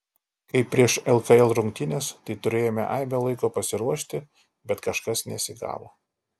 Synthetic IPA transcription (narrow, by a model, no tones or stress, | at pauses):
kɐɪpːʲɾʲiɛʃɛlˠkɐɛlˠɾʊŋʲk̚t̪ʲɪnʲeːst̪ɐɪt̪ʊɾʲeːjoːmʲɛ̰ʔɑɪmʲolˠɐɪkoːpɐsʲɪɾuɔʃʲt̪ʲɪ | bʲɛt̪kɐʃkɐsnʲɛsʲɪɡɑ̰ːʋo̰ː